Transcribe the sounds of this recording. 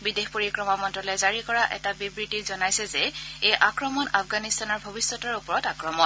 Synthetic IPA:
bidexpoɹikɹɔmamɔntɔlɛzaɹikɔɹaʔɛ̰tabibɹitizɔnajsɛzɛejʔakɹɔmɔnafʰɡanistanɔɹbʱɔbisːɔtaɹupɔɹɔtakɹɔmɔn

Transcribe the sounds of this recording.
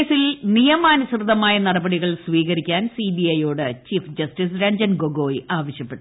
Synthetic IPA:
silnijɐmaːnusrɨd̪ɐmaːjɐnɐɽɐbɐɽiɣɐɭsʋiːɣɐɾikʲːaːnsiːbiɐjo̞ːɽɨt͡ɕiːfd͡ʑɐstisɾɐɲd͡ʑɐnɡoɡo̞ːjiaːʋɐɕjɐpːe̞ʈː

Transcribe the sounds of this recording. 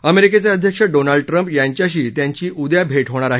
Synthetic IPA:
əmeɾiket͡saəd̪ʱjəkʂəɖonalɖəʈɾəmpjaɲt͡ɕjaɕ̬iːt̪jaɲt͡ɕiːʔud̪jabʱeʈɦoɽ̃aɾaɦi

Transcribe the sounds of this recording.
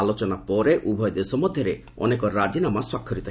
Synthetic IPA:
alot͡ʃɔnapɔɾeʔubʱɔjɔd̪esɔmɔd̪ʱjɔɾe | ɔ̰nekɔɾad͡ʒinamaswakʰːɔɾit̪ʰ

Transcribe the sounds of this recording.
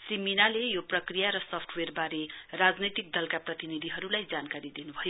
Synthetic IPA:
sriminalejoprʌkrijaɾʌsʌpʰʈʰwerbaɾerad͡znʌjt̪ik̚d̪ʌlkaprʌt̪inid̪ʱiɦʌɾulajd͡zankaɾid̪inubʱʌjo

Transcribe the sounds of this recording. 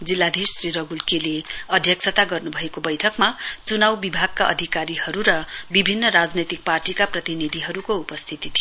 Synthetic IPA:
d͡zilːad̪ʱisːriɾʌɡʱulkeleʌd̪ʱjʌksʰʌt̪aɡʌrnubʱʌekobʌjʈʰʌkmat͡sunawbibʱaɡ̚kaʔʌ̰d̪ʱikaɾihʌɾuɾʌbibʱinːʌɾad͡znet̪ik̚parʈikaprʌt̪inid̪ʱiɦʌɾukoupʌst̪ʰit̪it̪ʰij

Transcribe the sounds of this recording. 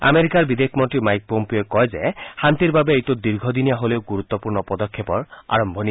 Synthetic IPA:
a̰meɾikaɾbid̪ekʰmɔnʈɾimajk̚pompioekɔɦed͡ʒehant̪iɾbabeejtud̪iɾɡʱɔd̪inijaɦolewɡuɾut̪ːɔpuɾɳɔpɔd̪ɔkʰːepɔɾa̰ɾɔmbʱɔni

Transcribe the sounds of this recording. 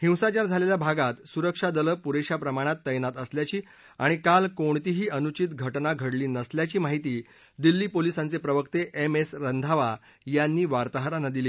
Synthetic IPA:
hĩwsat͡ɕaɾd͡zʱaleljabʱaɡat̪suɾəkʂad̪ələpuɾeɕapɾəmaɽ̃at̪ːəjnat̪əsljat͡ɕiː | aɽ̃ikalkoɳt̪iɦiːʔənut͡ɕit̪ɡʱəʈnaɡʱəɽliːnəsljat͡ɕiːmaɦit̪iː | d̪ilːiːpolisãnt͡sepɾəʋəkt̪eʔemesɾənd̪ʱaʋa | janːiːʋaɾt̪aɦɾanad̪iliː

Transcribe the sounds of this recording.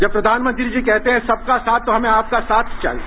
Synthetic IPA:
d͡ʒɐb̚pɾɐd̪ʱaːnmə̃nt̪ɾid͡ʒikɛɦt̪eɦɛ̃sɐb̚kasaːt̪̚ʰːoɦɐmẽaːp̚kasaːt̪ʰt͡ʃɐ̰l

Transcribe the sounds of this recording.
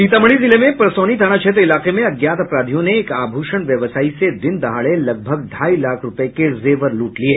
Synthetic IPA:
iːt̪əmɭ̃izilemẽpɾəsoːñit̪aɽ̃at͡ʃʰet̪̬ilaqemẽɐɡjat̪əpɾaːd̪ʱijõneːkaːbʱuːʂəɳʋjəʋəsaːised̪ɪnd̪əɦaɭeləɡ̚bʱəɡd̪ʱaːilakʰɾʊpekezeʋəɾluːʈlie

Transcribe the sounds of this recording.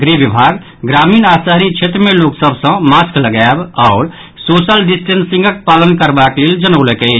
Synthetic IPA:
ɡɾibibʱaɡ | ɡɾaminasəɦɾit͡ʃʰet̪ɾmeloksəbsə̃maskləɡabaʊɾ | sosəlɖisʈensĩŋɡʱək̚palənkəɾbakleld͡ʒənəʊlɛkɛɪt͡ʃʰ

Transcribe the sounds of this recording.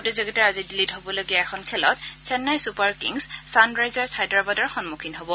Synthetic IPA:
ɔtɛzoɡitaɹazidilitɦobɔloɡiaɛkʰɔnkʰɛlɔt̚sɛnːajsupaɹkḭŋssandɹajzaɹsajdɹabadɔɹxɔnmukʰinɦobɔ

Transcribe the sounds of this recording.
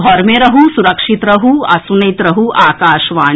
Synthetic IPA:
ɔɾmẽɾɐɦusuɾɐkʃit̪ɾɐɦuɐsunɐjt̪ɾɐɦuʔaːkaːʃʋaː

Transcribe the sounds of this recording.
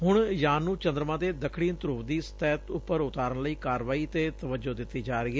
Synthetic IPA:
ɦʊɳjaːnːũːt͡ʃənd̪ɾəmãːd̪eːd̪əkʰɽiːnt̪ɾuːʋd̪iːst̪ɛːt̪ʊpːəɾʊt̪aːɾəɳləiːkaːɾʋaːiːt̪eːt̪əʋəd͡ʒoːd̪ɪt̪ːiːd͡ʒaːɾɪeː

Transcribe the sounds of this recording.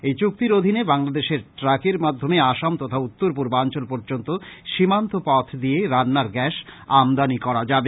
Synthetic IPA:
ejt͡ɕuk̚t̪iɾod̪ʱinebaŋlad̪eʃeɾʈɾakeɾmad̪ʱːomeaʃamt̪ɔt̪ʰaut̪ːoɾp̬uɾbant͡ɕolpɔɾd͡ʑont̪oʃimant̪opɔt̪ʰd̪ieɾanːaɾɡɛʃamd̪anikɔɾad͡ʑabe

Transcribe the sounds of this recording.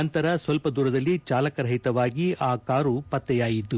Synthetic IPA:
ɐnt̪ɐɾɐsʋɐlpɐd̪uːɾɐd̪ɐlːit͡ʃaːlɐkɐɾɐɦit̪ɐʋaːɡiaːkaːɾupɐt̪ːɛjaːjid̪u

